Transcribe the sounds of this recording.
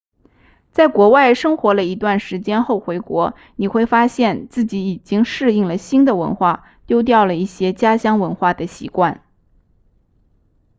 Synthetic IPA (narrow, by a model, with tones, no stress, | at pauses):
t͡sa˥˩ɪkwɔ˧˥wa˥˩ɪʂɤ˥ŋxwɔ˧˥lə˧i˧˥t̪wa˥˩nʂɻ̩˧˥t͡ɕjɛ˥nxo˥˩ʊxwe˧˥ɪkwɔ˧˥ | ni˨˩xwe˥˩ɪfa˥ɕjɛ˥˧nt͡sɹ̩˥˩t͡ɕi˧˥i˨˩t͡ɕi˥ŋʂɻ̩˥˧i˥˩ŋlə˩ɕi˥nd̪ə˨wə̰˧˥nxwa˥˩ | t̪jo˥ʊt̪jɑ˥˩ʊlə˩i˥˩ɕjɛ˥t͡ɕja˥ɕjɑ˥ŋwə˧˥nxwa˥˩d̪ə˩ɕḭ˧˥kwa˥˩n